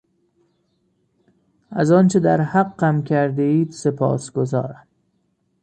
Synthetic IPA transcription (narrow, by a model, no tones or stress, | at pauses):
æzɒːnt͡ʃʰe̞d̪æɾhæɢːæmcʰæɾd̪eiːd̪se̞pʰɒ̰ːsɡ̥o̞zɒ̰ːɾæm